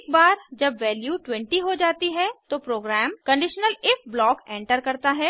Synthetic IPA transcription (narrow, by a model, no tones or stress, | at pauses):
kbaːɾd͡ʒɐbʋɛːljuːʈwɛ̃ɳʈiɦod͡ʒaːt̪iɦɛt̪opɾoːɡɾɛːmkɐ̃ɳɖɪʃnəlɪfblɔːkɛ̃ːɳʈəɾkɐɾt̪aɦɛː